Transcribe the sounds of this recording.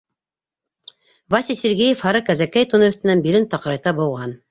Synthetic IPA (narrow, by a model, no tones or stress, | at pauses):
vɑsisʲeɾɡijefhɑɾɤkæzækæjt̪unɤɵ̆θt̪ɘ̆nænbilɘnt̪ɑqɤ̆ɾɑjt̪ɑbŏwʁɑn